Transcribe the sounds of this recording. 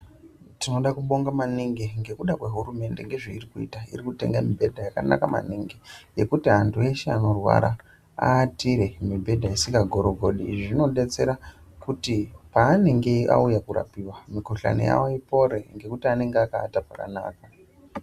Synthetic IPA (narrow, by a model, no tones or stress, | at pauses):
tino̞ɗakuɓo̞ŋɡamaniŋɡeŋɡe̞kuɗakwe̞ɦurume̞ndeŋɡe̞ʐeirikuḭtaḭɾikute̞̰ŋɡamibʱe̞dʱajakana̰kama̰niŋɡeje̞kutiɦantʰue̞ʃeano̞rwa̰ɾa | aːtiɾe̞mibʱe̞dʱaisiŋɡaɡʱo̞ɾoɡʱoɗiʐino̞ɗe̞t͡se̞ɾa | kutipaːne̞ŋɡe̞a̰ujakura̰piwamikoɬa̰nḛja̰woipo̞ɾeŋɡe̞kutiane̞ŋɡeakaːtapaka̰na̰ːka